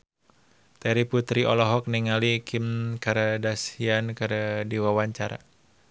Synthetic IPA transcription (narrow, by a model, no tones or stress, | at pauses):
t̪ɛɾiput̪ɾiɔ̰lɔɦɔk̚niŋalikʰimkaɾdasiankərdiwawaɲt͡ʃaɾa̰